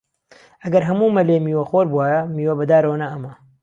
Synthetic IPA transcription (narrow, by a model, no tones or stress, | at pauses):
ɐɡɐɾɦɐmuːmɐleːmiːwɐxoɾbuaːjɐmiːwɐbɐd̪aːɾownɐɐmɐ